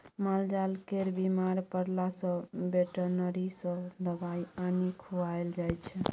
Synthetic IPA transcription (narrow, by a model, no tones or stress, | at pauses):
mald͡ʒalkeɾbimaɾpəɽlasə̃beʈənəɾisə̃d̪əbaianikʰuaeld͡ʒajt͡ʃʰɛ